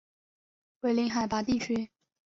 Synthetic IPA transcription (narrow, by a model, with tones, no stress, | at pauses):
we˥˩ɪli˧˥ŋxa˨˩ɪpa˧˥t̪i˥˩t͡ɕʰy˥